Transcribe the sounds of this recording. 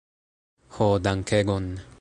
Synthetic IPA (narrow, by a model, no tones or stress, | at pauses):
xod̪aŋkʰeɡon